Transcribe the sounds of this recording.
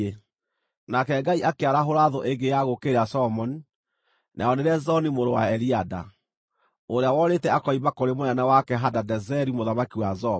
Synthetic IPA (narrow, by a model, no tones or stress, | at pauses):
e | nakɛɡaiʔakeaɾaɦoɾaðɔʔeɡejaɣokeɾeasɔmɔni | nʔa̰ɔneɾɛzɔnimoɾowa̰ɛɾiada̰ | oɾeawɔɾetɛakɔimakoɾemoanawakɛɦadadɛzɛɾimoðamakiwazɔ